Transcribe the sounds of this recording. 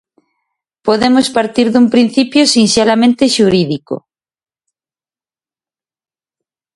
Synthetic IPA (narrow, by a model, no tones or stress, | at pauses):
poðemospaɾt̪iɾðumpɾin̟θipjosinselamẽnt̪eʃuɾiðiko̰